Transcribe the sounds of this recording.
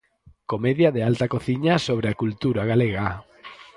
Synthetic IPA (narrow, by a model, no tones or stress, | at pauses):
komeðjɐðealt̪akoθiɲasoβ̞ɾeakult̪uɾaɣaleɣa